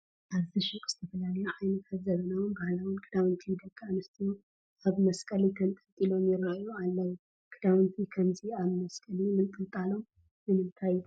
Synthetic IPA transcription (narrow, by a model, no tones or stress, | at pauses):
ʔaβziʃɨkʼz̥ɨt̪ʰɐfɐlalɐjuʕajnɨkʰaβzɐβɐnawunbahlawʊnkʰʼɨd̪awɨnt̪ʰid̪ɐkʼːanɐst̪ʰiju | aβmɐskʼɐlikʰɐnt̪ʼɨnt̪ʼilo̞mjɪɾːaualːɐwu | kʰʼɨd̪awɨnt̪ʰikʰɐmziaβmɐskʼɐlimɨnt̪ʼɨnt̪ʼalo̞m | ɨmɨnt̪ʰaj